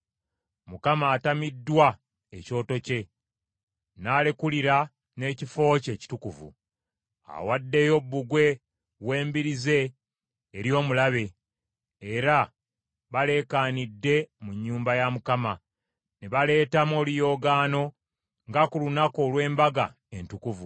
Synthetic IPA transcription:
mukamaːtamidːwa | eco̞ːto̞ce̞ | naːle̞kuliɾa | ne̞ːcifo̞ːce̞ːci̥tukuvṵ | a̰wadːe̞jo̞bːuɡwe̞ | we̞ːmbiɾize̞ː | ɾjo̞ːmulaβe̞ː | ɾa | βale̞kaːnidːe̞muɲːuːmbajamukama | neβale̞ːtamo̞ːlijo̞ːɡaːno̞ | ŋɡakulunako̞lwe̞ːmbaɡa̰ | e̞ntukuvu

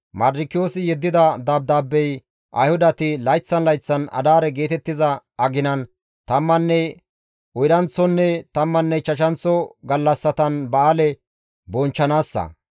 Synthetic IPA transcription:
mɐɾːɪkːɪjoːsɪjɛd̪ːɪd̪ɐd̪aːb̚d̪aːbːɛj | ʔɐ̰jhʊd̪ɐt̪ɪlɐjt͡sːɐnlɐjt͡sːɐnɐ̰d̪aːɾɛɡe̞ːt̪ɛt̪ːɪzɐɐɡɪnɐn | t̪ɐmːɐnːɛ | ʊjɾɐnt͡sːɔnːɛt̪ɐmːɐnːɛt͡ʃɐʃɐnt͡sːɔɡɐlːɐsːɐt̪ɐnbɐaːlɛ | bɔnt͡ʃːɐnaːsːɐ̰

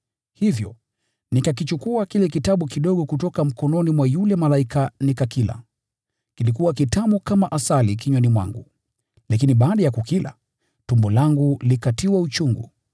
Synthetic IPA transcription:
hivjɔ̰ | nikakit͡ʃukuakilɛkitaɓukiɗɔɠɔkutɔkam̩kɔnɔnimwajulɛmalaikanikakila̰ | kilikuwakitamukamaʔasalikiɲwanimwa̰ŋɡu | lakiniɓaːɗajakukila̰ | tumbɔlaŋɡulikatiwaut͡ʃuŋɡṵ

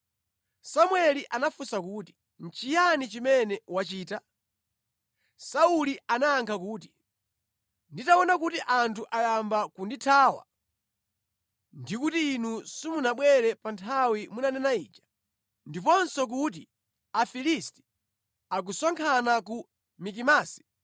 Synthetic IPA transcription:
samwɛliʔanafusakuːti̥ | n̩t͡ʃijanit͡ʃimɛnɛwat͡ʃiːta | sauliʔanaːŋkʰakuːt̬i̥ | nditaɔnakutiʔantʰuʔajambakunditʰaːwa̰ | ndikutiːnusimunaɓwɛɾɛpantʰawimunanɛnaiːt͡ʃḁ | ndipɔnsɔk̬ut̬i | afilisti̥ | ak̬usaŋkʰanak̬u | mikimaːsi̥

